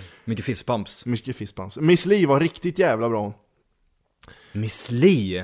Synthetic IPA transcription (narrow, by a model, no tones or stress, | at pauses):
mʏkːəfɪspʰampsmʏkːəfɪspa̰mpsmɪsliːvaɾɪkt̪ɪt̪jæːvlabɾɑːn | mɪsliː